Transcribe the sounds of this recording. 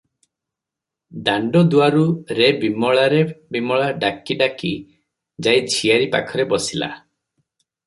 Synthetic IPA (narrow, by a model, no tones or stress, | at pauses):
d̪aɳɖɔd̪uaɾuɾebimɔɭaɾebimɔɭaɖakiɖaki | d͡ʒajd͡ʒʰʱijaɾipa̰kʰɔɾebɔsila̰